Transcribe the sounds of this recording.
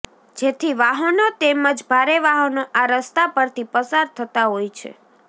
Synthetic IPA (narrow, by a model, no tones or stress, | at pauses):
d͡ʒet̪ʰiʋaɦənot̪eməd͡ʒbʱaɾeʋaɦənoʔaɾəst̪apəɾt̪ʰipəsaɾt̪ʰət̪aɦojt͡ʃʰḛ